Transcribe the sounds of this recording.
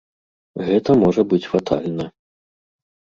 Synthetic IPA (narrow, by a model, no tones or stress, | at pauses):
ɣɛt̪ɐmɔʐɐbɨt͡sʲfat̪ʰa̰lʲnɐ